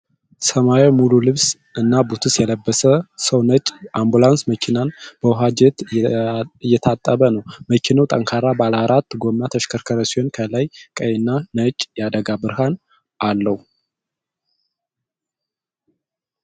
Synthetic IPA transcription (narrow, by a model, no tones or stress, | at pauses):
səmajemululɨβs | ʔɨnːabut̪ʰɨsjɛləbːəsəsəwnət͡ʃʼːambulansməkʰinanb̥əwɦad͡ʒɛt̪ | jːɛt̪ʰat̪ʼːəβənəwməkʰinəwt̪ʼəŋkʰaɾabalaɾat̪ːɡo̞mːat̪ʰəʃkʰəɾkʰəɾəsihonkʰəlajkʼəjɛnːanət͡ʃʼjad̪əɡabɨɾɦan | ʔalːəhu